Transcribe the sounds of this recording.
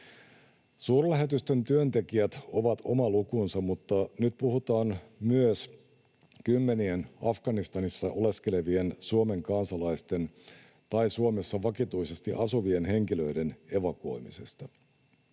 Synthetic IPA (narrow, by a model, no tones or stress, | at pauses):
suːrlæɦe̞t̪yst̪e̞nt̪yønt̪e̞kiæt̪o̞ʋɑt̪ʰo̞mɑlukunsɑmut̪ːɑnyt̪puhut̪ɑːnmyøs | kymːe̞nienɑfɡ̥ɑnist̪ɑnisːɑʔo̞le̞ske̞le̞ʋiensuome̞ŋkɑnsɑlɑjst̪e̞n | t̪ɑisuome̞sːɑʋɑkit̪uise̞st̪iʔɑsuʋienɦe̞ŋkilø̞ide̞ne̞ʋɑko̞̰imise̞st̪ɑ